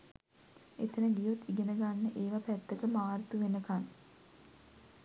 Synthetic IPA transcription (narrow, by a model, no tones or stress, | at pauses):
ḛt̪ənəɡijot̪ːiɡenəɡanːəʔeːʋapæt̪ːəkəmaːrt̪uʋenəkan